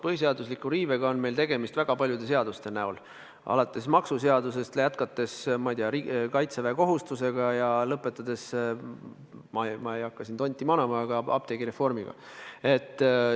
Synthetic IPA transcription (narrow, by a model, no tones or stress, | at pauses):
pɤɦis̬e̞ɑd̪uslikːˑuɾiːveɡ̥ɑo̞nme̞jlt̪e̞ɡ̥e̞mist̪væɡ̥ɑpɑlʲjud̪e̞se̞ɑd̪ust̪e̞næul | ʔɑ̰lɑt̪ːˑe̞smɑksuse̞ɑd̪us̬e̞st̪lejæt̪kɑt̪ːˑe̞smɑijd̪iɑɾikɑjt̪seveːko̞ɦust̪use̞ɡ̥ɑjɑlɤpːˑe̞t̪ːˑɑd̪e̞s | mɑmɑejɑkːɑsint̪o̞nʲt̪ːˑimɑnɑmɑːɡ̥ɑɑ̰b̥̚t̪eɡiɾe̞fːo̞rmiɡ̥ɑ̰ | e̞t̪ːˑ